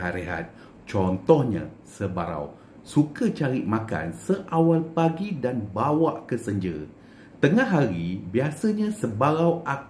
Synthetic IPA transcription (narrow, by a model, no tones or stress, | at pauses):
aɾeɦa̰t̪̚ | t͡ʃɔnt̪ɔhɲã̰ | səbaɾa̰w | sukət͡ʃaɾiʔmãka̰nsəʔawalpaɡidanbawaʔkəsəɲd͡ʒə̰ | t̪əŋaɦːaɾibiasəɲãsəbaɾawʔa